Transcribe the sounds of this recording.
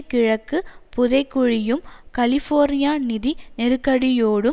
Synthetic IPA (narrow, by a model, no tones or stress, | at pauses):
kːɪɻɐkːɯpʊðɐɪkːʊɻɪjɯmkɐlɪfoːɾnɪjaːnɪðinɛɾɯkːɐɽɪjoːɽɯ